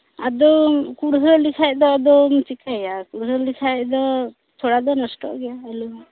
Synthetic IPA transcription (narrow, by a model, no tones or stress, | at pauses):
ad̪ɔmkuɾɦɾɔlikʰajd̪ɔːd̪ɔmt͡ʃikajakuɾsɔɾlikʰajd̪ɔ | t̪ʰɔɽad̪ɔnɔsʈɔ̰ʔɡɛjaɛlu